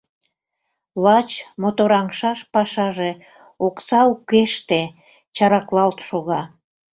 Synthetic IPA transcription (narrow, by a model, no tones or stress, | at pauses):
lɑt͡ɕmot̪oɾɑŋʃɑʃpɑʃɑʒe | oksɑukeʃt̪e | t͡ɕɑɾɑklɑlt̪ʃoɣɑ